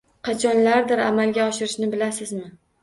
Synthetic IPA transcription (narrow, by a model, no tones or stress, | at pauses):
qʰɑt͡ʃʰɒnlaɾd̪ɪɾamalɡʲaɒʃɪɾɪʃnɪbɪlasɪzmɪ